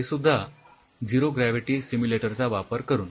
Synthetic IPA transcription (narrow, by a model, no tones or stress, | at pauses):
esud̪ʱːa | d͡ʑiɾoɡɾæʋiʈiːsimuleʈəɾt͡saʋapəɾkəɾuːn